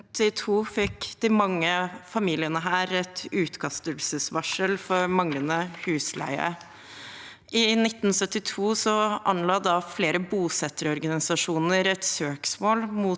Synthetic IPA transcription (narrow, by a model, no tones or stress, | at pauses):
t̪ɪt̪ʰuːfɛkd̪̥ɪmɑŋːəfɑmiːlɪənəɦæːɾɛt̪ʉːt̪kʰɑst̪əlsəsʋɑʂəlfɔɾmɑŋlənəhʉːslæ̰ɪə̰ɾə | ʔɪnɪt̪ːn̩sœt̪ːɪt̪ʰuːsɔʔɑnlɑːd̪ɑfleːɾəbuːsɛt̪ːəɾɔɾɡɑnɪsɑʂuːnəɾɛt̪søːksmoːlmu